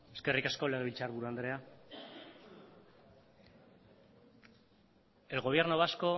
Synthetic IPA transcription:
e̞ske̞rikasko̞le̞ɣilt͡saɾβuɾuand̪ɾe̞a | elɣo̞β̞jeɾnoβasko̞

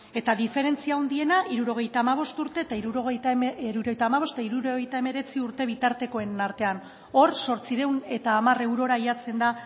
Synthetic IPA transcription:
e̞t̪aðife̞ɾe̞nt͡siaond̪ie̞naʔiɾuɾo̞ɣe̞jt̪aːmaβ̞o̞st̪uɾt̪e̞ːt̪aiɾuɾoɣet̪ɾuɾojt̪aːmaβ̞o̞set̪aiɾuɾo̞ɣejt̪ae̞me̞ɾe̞t͡siuɾt̪e̞βit̪aɾt̪e̞ko̞enaɾt̪e̞an | o̞ɾso̞ɾt͡siɾe̞wne̞t̪aːmare̞wɾo̞ɾaiat͡se̞nd̪a

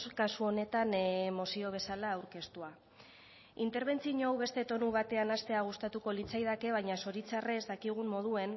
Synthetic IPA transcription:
kasuo̞ne̞t̪anmo̞sio̞β̞e̞salaːwɾke̞st̪ua | int̪e̞ɾβ̞e̞nt͡siɲoawβe̞st̪e̞t̪o̞nuβ̞at̪e̞anast̪e̞aɣ̞ust̪at̪uko̞lit͡sajðake̞β̞aɲaso̞ɾit͡sare̞zd̪akiɣ̞ummo̞ð̞ue̞n

